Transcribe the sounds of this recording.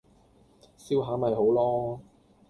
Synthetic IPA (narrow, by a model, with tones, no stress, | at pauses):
siː˥wɦaː˨˥mɐ˨jɦo˨˥wlɔː˥